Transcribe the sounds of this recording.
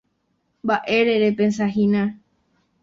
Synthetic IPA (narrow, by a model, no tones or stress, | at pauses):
mbaʔe̞ɾeɾepens̬aɦĩnã